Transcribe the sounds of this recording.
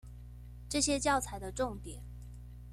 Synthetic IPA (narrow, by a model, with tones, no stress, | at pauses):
ʈ͡ʂɤ˥˩ɕjɛ˥t͡ɕjɑ˥˩ʊt͡sʰa˨˧˥ɪd̪ə˦ʈ͡ʂʊ˥˩ŋt̪jɛ˨˩˦n